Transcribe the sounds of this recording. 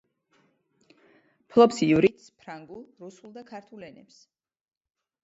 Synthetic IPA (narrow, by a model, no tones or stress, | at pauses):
pʰlˠɔpsiuɾit̪spʰɾaŋɡulˠɾusulˠd̪akʰaɾt̪ʰulɛnɛps